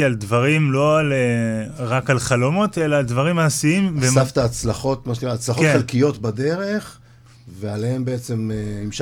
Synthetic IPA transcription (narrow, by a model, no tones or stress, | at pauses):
ialdvaʁimlo̞aleʁakalχalo̞mo̞t̪e̞laːld̪vaʁimaːsiimvesaft̪aːt͡slaχo̞t̪maʃenikʁaːt͡slaχo̞ktχelkijo̞tbad̪e̞ʁeχ | vealehe̞mbeet͡se̞menimʃ